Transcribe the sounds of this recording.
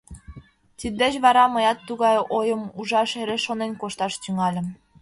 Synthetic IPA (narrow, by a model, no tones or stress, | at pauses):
t̪id̪d̪et͡ɕβɑɾɑməjɑt̪ːuɣɑjojəmuʒɑʃeɾeʃonenkoʃt̪ɑʃt̪yŋɑlʲə̆m